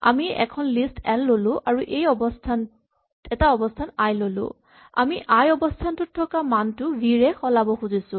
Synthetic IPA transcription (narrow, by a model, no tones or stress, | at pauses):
a̰miɛ̰kʰɔnlistɛllolʊ̃ʔaɹuʔejɔbɔstʰan | ɛtaɔbɔstʰanajlolʊ̰̃ | a̰miʔajɔbɔstʰantʊtʰːɔkamantʊɡiɹɛxɔlabɔxuzisʊ̃